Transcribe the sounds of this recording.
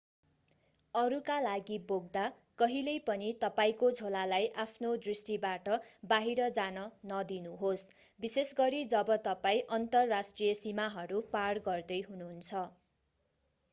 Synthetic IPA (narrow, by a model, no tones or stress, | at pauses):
ʌɾukalaɡiboɡ̚d̪a | kʌɦilʌjpʌnit̪ʌpaĩkod͡zʱolalajʔapʰnod̪risʈibaʈʌbaɦiɾʌd͡zanʌnʌd̪inuɦos | bisesɡʌɾid͡zʌbʌt̪ʌpaĩʔʌnt̪ʌrːasʈrijʌsimaɦʌɾupaɽɡʌrd̪ʌjɦunuɦunt͡sʰʌ